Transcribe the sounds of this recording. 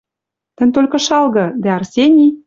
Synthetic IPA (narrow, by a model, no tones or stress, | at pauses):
t̪ə̆nʲt̪olʲkɤ̆ʃɑlˠɣɤ̆d̪æɑrsʲenʲi